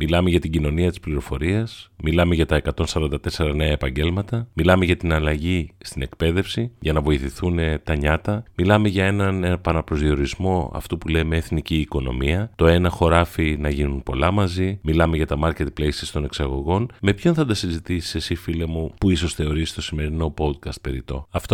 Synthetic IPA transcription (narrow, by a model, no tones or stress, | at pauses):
milɐme̞ʝɐt̪iɟino̞niɐt̪i̥spliɾo̞fo̞ɾiɐsmilɐme̞ʝɐt̪ɐe̞kɐt̪o̞nsɐɾɐnd̪ɐt̪e̞se̞ɾɐne̞ɐepɐɲɟe̞lmɐt̪ɐmilɐme̞ʝɐt̪inɐlɐʝist̪ine̞kpe̞ðe̞fsiʝɐnɐvo̞iθiθunet̪ɐɲɐt̪ɐmilɐme̞ʝɐe̞nɐnpɐnɐpɾo̞zðio̞ɾizmo̞ɐ̰ft̪upule̞meːθniciːko̞no̞̰miɐt̪o̞e̞nɐxo̞ɾɐfinɐʝinunpo̞lɐmɐzimilɐme̞ʝɐt̪ɐmɐɾce̞t̪̚plejsist̪o̞ne̞ksɐɣo̞ɣo̞nme̞pço̞nθɐd̪ɐsizit̪isi̥sesifilemupuiso̞sθe̞o̞ɾist̪o̞sime̞ɾino̞po̞d̪̚kɐst̪̚pe̞ɾit̪o̞ɐft̪o